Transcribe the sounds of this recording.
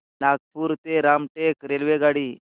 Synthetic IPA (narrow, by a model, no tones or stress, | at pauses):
nak̚puːɾt̪eɾamʈekɾelʋeɡaɽiː